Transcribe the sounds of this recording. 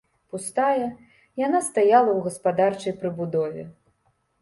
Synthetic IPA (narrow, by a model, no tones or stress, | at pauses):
pust̪ajɐ | janast̪ajalˠɐwɣɐspad̪art͡ʂɐjpɾɨbud̪ɔvʲɛ̰